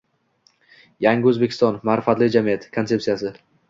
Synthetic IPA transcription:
jaŋɡʲɪɵzbe̞kʲʰɪst̪ɒnmaɾɪfat̪lɪd͡ʒamijat̪ʰkʰot̪se̞ptsijasɪ

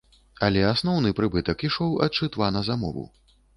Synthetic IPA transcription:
ɐlʲɛasn̪ɔwnɨpɾɨbɨt̪ɐkiʂɔwɐ̰t̪t͡ʂɨt̪vanɐzamɔ̰vṵ

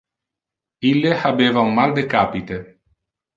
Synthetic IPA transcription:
ilːehabeːvaummald̪ekaːpit̪e

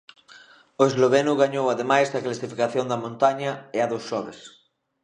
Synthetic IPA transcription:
oezloβenuɣaɲowaðemajsdɐklasifikaθjond̪ɐmõnt̪aɲɐeaðosʃɔβes

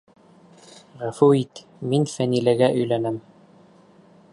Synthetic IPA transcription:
ʁæfuit̪ | minfænilɘɡæʔɵ̆jlænɘm

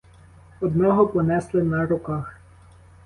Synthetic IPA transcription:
ɔd̪nʲɔɦɔpɔnɛslˠɪnɐɾʊkɑx

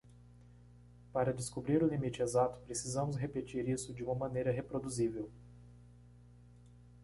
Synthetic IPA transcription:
paɾɐd̪ɪskubɾiɾʊlimit͡ʃɪezat̪ʊ̥pɾesizɐ̃mʊsɦepet͡ʃiɾisʊd͡ʒɪũmɐmɐ̃nejɾɐɦepɾod̪uzivew

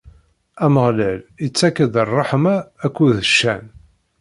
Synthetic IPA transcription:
æməʁlælət͡sːækːəðərˤːɑħmaːkʷːuðəʃːæ̰n

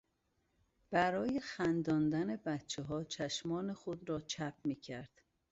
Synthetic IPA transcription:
b̥æɾɒːjexænd̪ɒːnd̪æne̞bæt̪t͡ʃʰeɦɒːt͡ʃʰæʃmɒːnexod̪ɾɒːt͡ʃʰæp̚ʰmiːcʰæɾd̪̥

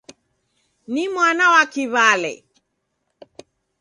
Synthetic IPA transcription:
nimwanawakiβalɛ̰

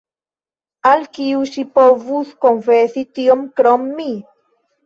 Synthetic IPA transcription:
alkiusipovuθkoŋfeθit̪iomkɾomːi

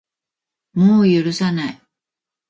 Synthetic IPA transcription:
moːjɯ̟ɾɯ̟sanai

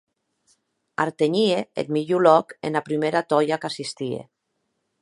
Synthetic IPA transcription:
a̰ɾt̪eɲieḛt̪miʎulɔkḛnapɾimeɾat̪ɔjakasist̪iḛ

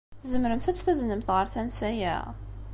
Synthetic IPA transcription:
θzəmɾəmθæt͡sːθæznəmθʁəɾθænsæjæ̰

